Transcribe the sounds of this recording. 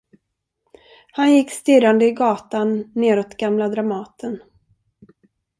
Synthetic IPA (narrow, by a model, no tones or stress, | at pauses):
hanjɪkːst̪ɪɾand̪əɪɡɑːt̪anːeːɾɔt̪ɡamlad̪ɾamɑːt̪ʰən